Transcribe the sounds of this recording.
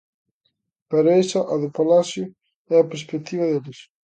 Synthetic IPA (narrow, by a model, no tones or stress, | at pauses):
paɾaesɐʔɐðʊpalasjʊ | ɛɐpeɾspek̚t̪iβɐðelɪs